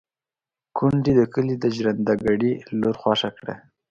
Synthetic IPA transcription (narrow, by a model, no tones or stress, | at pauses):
kuɳɖid̪əkəlid̪əʒɾand̪aɡaɽiloɾxwɑʂakɽḛ